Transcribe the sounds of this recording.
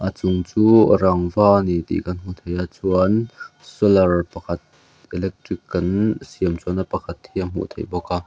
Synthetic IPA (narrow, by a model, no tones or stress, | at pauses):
ʔat͡suŋt͡suːɾɐŋvaːnit̪ḭkɐnm̥ut̪ʰejat͡suənsɔlɐrpɐkʰɐt̪̚ | ʔɛlɛk̚trikːɐnsiəmt͡suənapɐkʰɐt̪hiam̥ṵʔt̪ʰejbɔkaː